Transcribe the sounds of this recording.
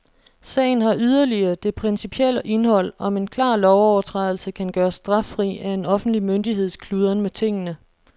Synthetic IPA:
sɛ̰ːɪn̩ɦɑ̈ʔyð̞ˠɐliɐːd̥e̝pʰʁinsipʰiel̰əʔe̝nɦɒ̽l̰ɒ̽me̝nkʰlɑ̈ːlɒʊɒʊɐt͡sʰʁɑðˠl̩səkʰænɡ̥ɶːɐsːd̥ʁɑ̈fʁḭːæe̝nɒ̽fn̩d̥limønd̥iɦe̝ð̞̰ˠskʰluːðˠɐnmet͡sʰe̝ŋ̰ənə

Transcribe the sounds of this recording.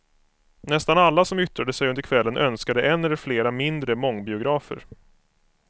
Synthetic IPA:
nɛst̪analːasɔmʏt̪ɾad̪əsɛjɵnd̪əɾkʰvɛlːənʔœnskad̪əʔɛnːɛlːəɾfleːɾamɪnd̪ɾəmɔŋːbɪʊɡɾɑːfə̰ɾ

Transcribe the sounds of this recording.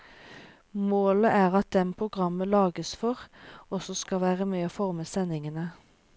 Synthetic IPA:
moːləʔæːʁɑt̪̚d̪ɛnpʰʁʊɡʁɑməlɑːɡəsfɔʁɔsɔskɑʋæːʁəmeːɑfɔʁməsɛnɪŋənə

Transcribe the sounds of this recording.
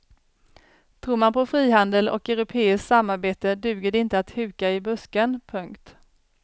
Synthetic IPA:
t̪ʰɾuːɾmanpʰɔfɾiːɦand̪əlɔ̰kɛɾʊpʰeːɪsksamːaɾbeːt̪əd̪ʉ̟ːɡəɖɛɪnt̪əat̪hʉ̟ːkaɪbɵskənpʰɵŋkt̪

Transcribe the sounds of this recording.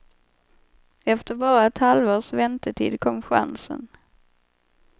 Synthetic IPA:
ɛft̪əɾbɑːɾaɛt̪halvoːʂvɛnt̪əʈʰḭːd̪kʰɔmːɧa̰nsə̰n

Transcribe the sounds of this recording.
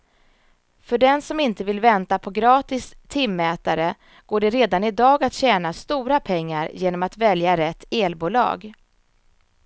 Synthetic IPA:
fœɖɛnsɔmɪnt̪əvɪlvɛnt̪apʰɔɡɾɑːt̪ɪst̪ʰɪmːɛːt̪aɾə | ɡ̥oːɖɛɾeːd̪anɪd̪ɑːɡat̪ɕɛːnast̪uːɾapʰɛŋːaɾjeːnɔmat̪vɛljaɾɛt̪ʰːeːlbuːlɑ̰ːɡ

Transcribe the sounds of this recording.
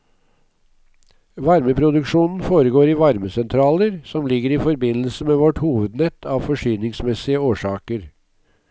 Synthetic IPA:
ʋɑɾməpʰɾʊd̪ʉkʂuːnn̩foːɾəɡoːɾiːʋɑɾməsɛnt̪ʰɾɑːləɾsɔmlɪɡəɾiːfɔɾbɪnəl̩səmeːʋɔʈhuːʋəd̪nɛt̪ʰɑːʋfɔʂyːnɪŋsmɛsɪəoːʂɑːkəɾ

